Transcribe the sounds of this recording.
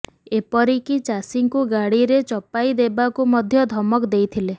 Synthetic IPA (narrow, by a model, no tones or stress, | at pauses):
epɔɾikit͡ʃasiŋkuɡaɽiɾet͡ʃɔpajd̪ebakumɔd̪ʱjɔd̪ʱɔmɔkd̪ejt̪ʰile